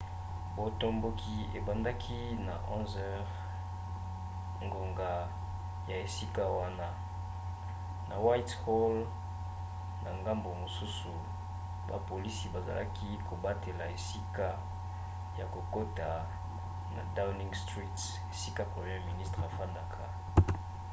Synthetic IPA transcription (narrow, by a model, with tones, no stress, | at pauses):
bo˨tɔ˦mbo˦kʰi˦e˨ba˨nda˦kʰi˦na̰˨ʔɔ̃˦nzɛ˦ʁ | ŋɡo˨ŋɡa˨ | ja˨e˨si˦ka˦wa˦na˦ | na˨wa˦itho˦l | na˨ŋɡa˦mbo˨mo˨su˦su˨ | ba̰˨po˨li˦si˨ba˨za̰˨lʔa̰˦ki˦ko˨ba˦te˨la˨e˨si˦ka˦ | ja˨ko˨ko˦ta˨ | na̰˨da˦wni˦ŋstʁi˦t | e˨si˦ka˦pʁe˨mje˦mi˨ni˦stʁa˨fa˦nda˦kʰa˦˨